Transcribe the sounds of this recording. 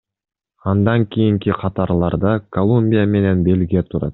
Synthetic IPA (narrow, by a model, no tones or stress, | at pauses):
ɑnd̪ɑŋkʲʰijiŋkiqʰɑt̪ɑɾlˠɑɾd̪ɑkolˠumʲbʲijame̞ne̞nbe̞lʲɡʲijat̪ʰuɾɑ̰t̪